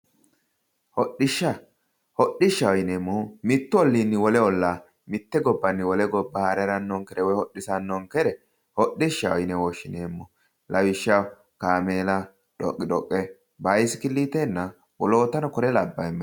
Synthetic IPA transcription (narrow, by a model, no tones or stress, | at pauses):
hɔɗːɪʃːɐ | hɔɗɪʃːɐwɔjneːmːɔmɪt̪ːʊɔlːinːɪwɔlɛɔlːa | mɪt̪ːɛɡɔbːɐnːɪwɔlɛɡɔbːɐhɐɾɛɾɐnːɔŋkɛɾɛwɔjhɔɗːɪsɐnːɔŋkɛɾɛ | hɔɗɪʃːɐɔjɪnɛwɔʃːɪneːmːɔ | lʔɐwɪʃːɐ | kaːmeːlɐ | ᶑɔ̰kʼːɪᶑɔkʼːɛ | bajsɪ̥kɪlːiːt̪enːɐ | wɔlo̞ːt̪ːɐnɔkɔɾɛlɐbːɐjmː